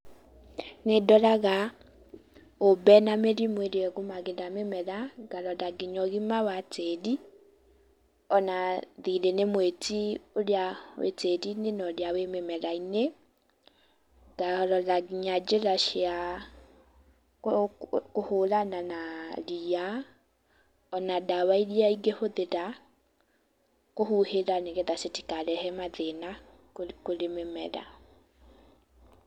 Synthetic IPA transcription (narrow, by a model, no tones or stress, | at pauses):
nedɔlaɣa | obɛnameɾimweɾiɛɣumaɡedamemɛɾaɡalɔlaɡiɲɔɣimawatedi | ɔnaðiɾenemwetioljawḛtedinenɔljawememɛɾaine | ɡ̥aɔɾɔlaɣiɲad͡ʒeɾaʃea | koholananalia | ɔnadawaiɾiaiɡehoðeɾa | kohuheɾaneɣeðaseti̥kaɾɛhɛmaðena | koɾememɛɾa̰